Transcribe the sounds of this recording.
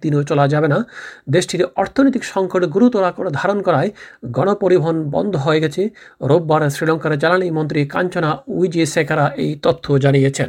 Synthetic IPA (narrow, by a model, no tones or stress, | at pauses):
t̪inot͡ɕɔlad͡ʑabenad̪eʃʈiɾɔɾt̪ʰonojt̪̬ikʃɔŋkoʈɡuɾut̪ɔɾakod̪ʱaɾonkɔɾaeɡɔɽ̃opoɾibʱɔɦonbɔ̰nd̪ʱoɦɔeɡɛt͡ɕʰeɾobːaɾsɾilɔŋkaɾd͡ʑalaɽ̃imɔnt̪̬ɾika̰ɲt͡ɕonaujd͡ʑesekʰaɾaʔejt̪ɔt̪ʰːod͡ʑanijet͡ɕʰen